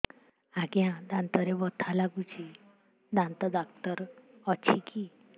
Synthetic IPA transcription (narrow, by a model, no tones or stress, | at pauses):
aɡjãd̪ãnt̪ɔɾebɔt̪ʰalaɡut͡ɕi | d̪ãnt̪ɔd̪akt̪əɾɔt͡ɕʰikʰi